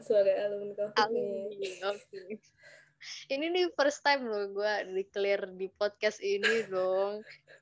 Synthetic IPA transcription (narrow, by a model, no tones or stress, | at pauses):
səbaɡaaləmnkaa | oke | ininifərst̪ajmlɔɡuadiklirdipɔt̪̚kast̪inidɔŋ